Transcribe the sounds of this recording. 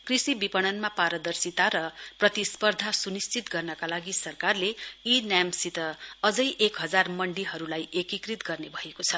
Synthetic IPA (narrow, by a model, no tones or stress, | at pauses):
krisibipʌɽ̃ʌnmapaɾʌd̪ʌrsit̪aɾʌprʌt̪ispʌrd̪ʱasunist͡sit̪ɡʌrnʌkalaɡisʌrkarleinjamsit̪ʌʌd͡zʌjʔekɦʌd͡zarmʌɳɖiɦʌɾulajʔekikrit̪ɡʌrnebʱʌekot͡sʰʌ